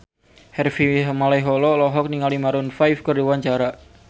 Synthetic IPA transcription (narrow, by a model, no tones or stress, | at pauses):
hɛrfiɦmalaɦɔlɔlɔɦɔk̚niŋalimaɾʊnfajfkərdiwaɲt͡ʃaɾa